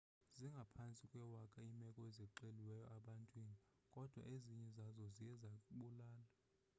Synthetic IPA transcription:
ziŋɡʱapʰant͡sʼikʼwɛwakʼaimɛkʼɔezɛǃeliwɛjɔʔaɓantʼwiːni | kʼɔd̥ʱwa̰ʔeziɲɛzazɔzijɛzakʼuɓulaːla

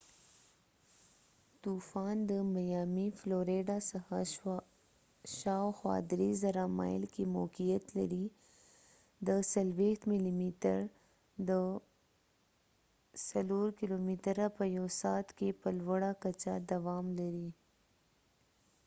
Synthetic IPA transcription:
t̪ufɑnd̪əmajɑmifloɾeɖɑsaxa | ʃɑwxwɑ̰d̪ɾezaɾamɑ̰jlkemo̰kijat̪la̰ɾi | d̪əsalwext̪mɪlimit̪ə̰ɾ | d̪ə | saloɾkilomit̪ɾapəjawsɑt̪kepəlwəɽakat͡ʃad̪awɑmlaɾi

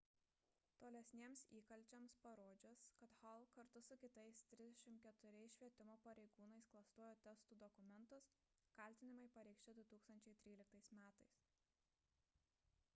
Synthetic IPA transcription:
t̪oːlʲɛsʲnʲeːmsiːkɐlʲt͡ʃʲɛmspɐɾoːd͡ʒʲoskɐt̪hɐlˠkɐɾt̪ʊsʊkʲɪt̪ɐɪst̪ʲɾʲɪzd̪ʲɛʃʲɪmkʲɛt̪ʊɾʲɛɪsʃʲʋʲiɛt̪ʲɪmoːpɐɾʲɛɪɡuːnɐɪsklˠɐst̪uɔjoːt̪ʲɛst̪uːd̪ɔkʊmʲɛnˑt̪ʊs | kɐlʲt̪ʲɪnʲɪmɐɪpɐɾʲɛɪkʃʲt͡ʃʲɛd̪ʊt̪uːkst̪ɐnʲt͡ʃʲɛɪt̪ʲɾʲiːlʲɪk̚t̪ɐɪsmʲæːt̪ɐɪs

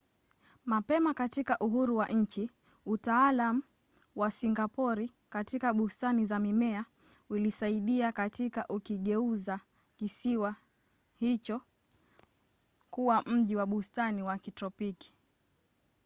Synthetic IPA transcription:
mapɛmakatikaʔuɦuɾuwaʔɲ̩t͡ʃi | utaalamu | wasiŋɡapɔɾi | katikaɓustanizamimɛa | ulisaiɗiakatikaʔukiɠɛuza | kisiwa | hit͡ʃɔ | kuwam̩ʄiwaɓustaniwakitɾɔpiki̥

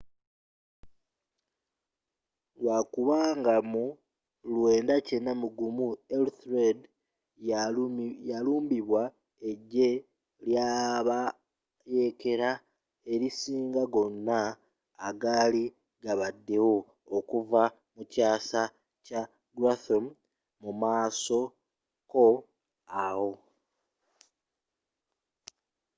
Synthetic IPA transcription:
ɡwakuβaːŋɡamu | lwe̞ːndace̞nːamuɡumuelθɾed | jaluːmbiβwa | e̞ɟːe̞ | ljaːβa | je̞ke̞ɾa | e̞ɾisiːŋɡaɡo̞nːaː | ɡaːli | ɡaβadːe̞wo̞ː | kuva | mucaːsa | ca | ɡɾaθom | mumaːso̞ | ko̞ | awo̞

